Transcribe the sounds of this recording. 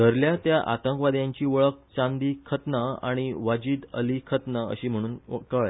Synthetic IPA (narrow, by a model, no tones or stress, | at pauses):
d̪ʱəɾljat̪jaʔa̰t̪ə̃ŋkʋad̪jãɲt͡ɕiːʋəɭək̚t͡sãnd̪iːkʰət̪naa̰ɽ̃iʋad͡ʑiːd̪əlikʰət̪naə̰ɕiːm̤əɽ̃uːnkəɭ